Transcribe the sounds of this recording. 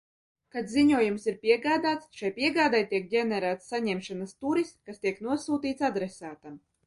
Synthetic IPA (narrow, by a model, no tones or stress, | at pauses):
kat̪ziɲuɔjumsiɾpʲiɛɡaːd̪aːt̪sʃajpiɛɡaːd̪ajt̪iɛk̚ɡʲɛnɛɾæːt̪sːaɲɛmʃanast̪uɾiskast̪iɛknuɔsuːt̪iːt̪sad̪ɾɛsaːt̪am